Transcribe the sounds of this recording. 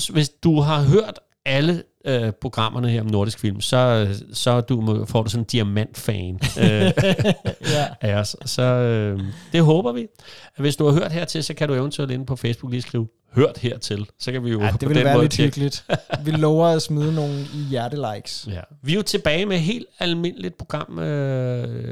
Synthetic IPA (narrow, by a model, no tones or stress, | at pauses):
ʋe̝sd̥uɦɑ̈ɦøɐ̰d̥ | ælə | øpʰʁo̝ɡ̥ʁɑ̈mʔɐnəheɐ̰ɒ̽mno̝ɐɾ̥isɡ̥fil̰msɒ̽sɒ̽d̥ufɒ̰ːd̥usɒ̽nnd̥iæmæn̰d̥fɛːn | ʔæɒsːɒ̽ød̥e̝ɦɔːb̥ɐʋi | ʋe̝sd̥uhɑ̈ɦøɐ̰d̥heɐ̰t͡sʰe̝lsɒ̽kʰæɾueʊnt͡sʰyɛ̰le̝npʰɒ̽fesb̥uɡ̥liːsɡ̥ʁiːʊ | høɐ̰d̥heɐ̰t͡sʰe̝lsɒ̽kʰæʋijo̝d̥eɔʋe̥enʋæːmɔ̽ðle̥yɡ̥əlid̥ʋilɔʊɐæsmiðˠnoːn̩ijæɐdəlɑ̈ɪɡ̥sjæʋijot͡sʰe̝b̥ɛːɪmeɦe̝̰ːld̥ælme̝n̰əlid̥̚pʰʁo̝ɡ̥ʁɑ̈m̰ø